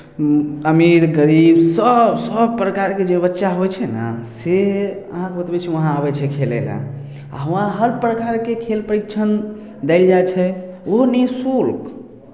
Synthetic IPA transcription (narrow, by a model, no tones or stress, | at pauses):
əmiɾɡəɾibsəbsəb̚pɾəkaɾked͡ʒebətːʃaɦojt͡ʃʰɛnə̰seə̰ɦãkebət̪bɛt͡ʃʰiʋəɦãabɛt͡ʃʰɛkʰelḛla̰ | a̰ɦəãɦəɾpɾəkaɾkekʰelpəɾik̚t͡ʃʰən | d̪ɛɪld͡ʒaet͡ʃʰɛoɦnisulk